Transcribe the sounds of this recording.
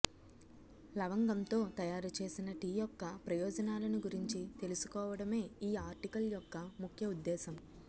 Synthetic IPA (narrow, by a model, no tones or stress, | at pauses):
lɐʋɐŋɡɐnt̪o̞ːt̪ɐjaːɾut͡ʃe̞ːsinɐʈiːjɔkːɐpɾɐjɔːd͡ʒɐnaːlɐniɡuɾiɲt͡ʃit̪e̞lusu̥kɔːʋɐɽɐme̞ːiːaːɾʈikɐljɔkːɐmukʰjɐud̪ːɛːsɐm